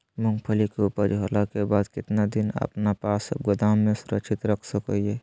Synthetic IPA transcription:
mʊ̃ŋɡpʰəlikeupəɾd͡ʒɦolakebaːd̪kɪt̪nad̪ɪnə̰pnapaːsbɡʊd̪aːmːẽsʊɾə̰kʃʰɪt̪ɾəkʰsəkəiɦɛː

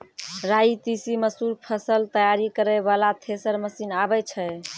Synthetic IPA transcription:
ɾait̪isiməsuɾpʰəsəlt̪əjaɾikəɾɛbalat̪ʰesəɾməsinabɛt͡ʃʰɛ

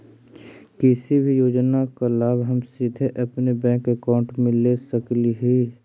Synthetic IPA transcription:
kɪsibʱijoːd͡ʒnakalaːbɦəmsid̪ʱeʔɐpnebɛ̃ːkekaːʊ̃ɳʈmɪ̃lesəkliɦi

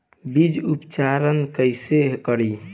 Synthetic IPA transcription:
bid͡ʒupt͡ʃaɾənkəjseɦkəɾi

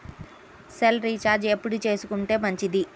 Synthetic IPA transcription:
selɾiːt͡ʃaːɾd͡ʒepːuɽut͡ʃe̞ːsukuɳʈe̞ːmɐɲt͡ʃid̪i

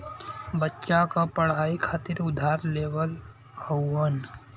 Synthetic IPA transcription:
bətːʃakapəɽ̤aːikʰaːt̪ɪɾʊd̪ʱaːɾleːʋəl | howən

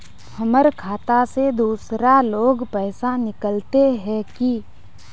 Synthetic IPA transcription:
pʰɐməɾkʰaːt̪ased̪uːsɾaloːɡpɛːsanɪkəlt̪eɦɛ̃ki

